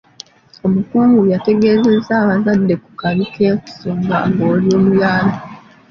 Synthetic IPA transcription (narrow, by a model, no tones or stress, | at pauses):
o̞mukuːŋɡujate̞ɡe̞ːze̞zaːβazadːe̞ku̥kaβikeku̥soːmɡa̰ŋɡoːlio̞ːmujaːna